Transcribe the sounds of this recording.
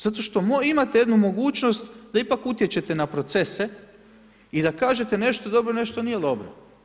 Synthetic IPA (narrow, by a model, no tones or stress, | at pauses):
zat̪o̞ʃt̪o̞moimat̪ejed̪numo̞ɡuːt͡ʃno̞st̪d̪aipakut̪jet͡ɕe̞t̪enapɾo̞t̪se̞se | id̪akaːʒet̪ene̞ʃt̪oed̪o̞bɾone̞ʃt̪onije̞d̪o̞bɾo